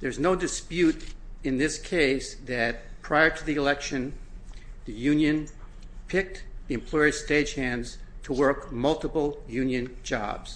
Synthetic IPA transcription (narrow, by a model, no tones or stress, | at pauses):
ðə˞znoʊdɨspjʉɾɨ̃nðɪskʰeɪsðɨt̚pʰɹ̥aɪə˞ɾɨðiɨlɛkʃɨ̃n | ðɨjʉ̃njɨ̃n | pʰɪk̚tðiɨ̃mpʰl̥ɔɪə̥steɪ̥ʒ̥hæ̃ndz̥tʰəwɜ˞kmʌlˠtəpl̩ˠjʉ̃njɨ̃nd͡ʒɑ̰bz̥